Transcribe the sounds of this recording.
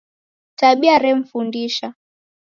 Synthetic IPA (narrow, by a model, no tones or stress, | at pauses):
taɓiaɾɛm̩fundiʃa